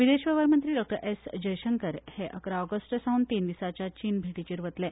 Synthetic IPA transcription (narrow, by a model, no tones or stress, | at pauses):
ʋid̪eɕʋəʋəɾmənt̪ɾiːɖɔk̚ʈəɾʔesd͡ʑəjɕəŋkəɾheʔəkɾaɔɡəsʈəsaunt̪ind̪isat͡ɕjat͡ɕiːnbʱiʈit͡ɕiːɾʋət̪lɛ